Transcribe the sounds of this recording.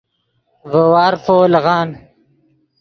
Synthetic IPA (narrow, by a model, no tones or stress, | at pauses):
vəwɑːɾfoːlɣɑːn